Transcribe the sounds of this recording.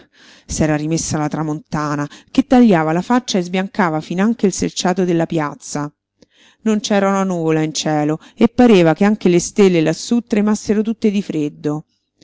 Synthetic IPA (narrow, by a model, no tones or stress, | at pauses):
sɛːɾaɾimesːalat̪ɾamont̪aːnaket̪ːaʎːaːvalafat͡ʃːaezbjaŋkaːvafinaŋk̟eilselt͡ʃaːt̪od̪elːapjat̪sːa | nont͡ʃɛːɾaunanuːvolaint͡ʃɛːloepːaɾeːvakeaŋk̟elest̪elːelasːut̪ːɾemasːeɾot̪ut̪ːed̪ifɾed̪ːo